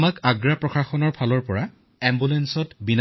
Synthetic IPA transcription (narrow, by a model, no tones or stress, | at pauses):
makaɡɹapɹɔxaxɔnɔɹpʰalɔɹpɔɹa | ɛmbulɛnsɔtbin